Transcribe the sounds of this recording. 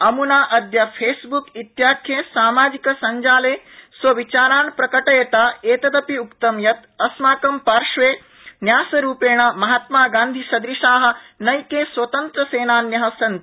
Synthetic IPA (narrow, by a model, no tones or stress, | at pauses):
ɐmunaːʔɐd̪jɐpʰeːsbukit̪jaːkʰjeːsaːmaːd͡ʒikɐsɐɲd͡ʒaːleːsʋɐʋit͡ʃaːɾaːnpɾɐkɐʈɐjɐt̪aːeːt̪ɐd̪ɐpiukt̪ɐmjɐt̪ɐsmaːkɐmpaːɾʂʋeː | njaːsɐɾuːpeːɳ̃ɐmɐɦaːt̪maːɡaːnd̪ʱisɐd̪ɾiʃaːɦɐ̆nɐjkeːsʋɐt̪ɐnt̪ɾɐseːnaːnjɐɦɐsɐnt̪